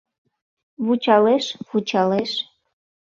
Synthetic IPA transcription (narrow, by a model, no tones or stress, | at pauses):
βut͡ɕɑleʃvut͡ɕɑleʃ